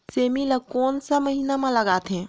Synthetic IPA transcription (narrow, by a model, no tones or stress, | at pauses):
semiləkoːnsəməɦinamẽləɡat̪ɦɛ̃